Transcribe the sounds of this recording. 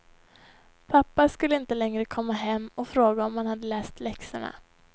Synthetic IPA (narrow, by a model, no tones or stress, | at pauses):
pʰapːaskɵlːəɪnt̪əlɛŋɾəkʰɔmːaɦɛmːɔfɾoːɡaɔmhanhad̪ːəlɛːst̪lɛksəɳa̰